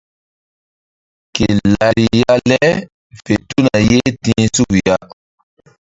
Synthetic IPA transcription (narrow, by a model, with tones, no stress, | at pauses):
ke˨la˨ɾi˨ja˦lɛ˦ | fe˨tu˦na˨je˦tĩː˦su˦kja˦